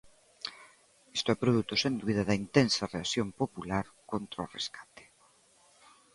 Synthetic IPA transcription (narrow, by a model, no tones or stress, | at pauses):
est̪oɛpɾoð̞ut̪ʊsend̪uβiðɐðɐint̪ensɐreasjompopulaɾkont̪ɾaoreskḁt̪e̥